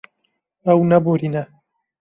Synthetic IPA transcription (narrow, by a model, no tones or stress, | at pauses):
ɐwnɐboɾiːnɐ